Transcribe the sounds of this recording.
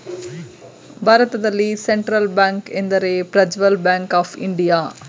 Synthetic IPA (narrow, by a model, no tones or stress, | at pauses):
bʱaːɾɐt̪ɐd̪ɐlːiseɳʈɾɐlbaːŋkend̪ɐɾeːpɾɐd͡ʒʋɐlbaːŋkaːfʰḭɳɖijaː